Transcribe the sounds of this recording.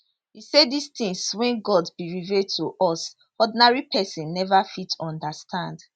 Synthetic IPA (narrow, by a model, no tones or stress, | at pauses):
hiseddist̪ĩŋswɛ̃nɡɔdbiɹivɛdtʰuʔɔs | ɔdinaɹipʰɛsĩnːɛvafitʰɔ̃ndastʰãnd